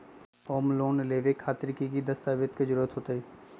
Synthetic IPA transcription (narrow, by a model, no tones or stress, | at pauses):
oːmloːnleːʋekʰːaːt̪ɾikikid̪ɐst̪aːʋɪt̪ked͡ʒʊɾuːət̪ɦoːt̪aɦiː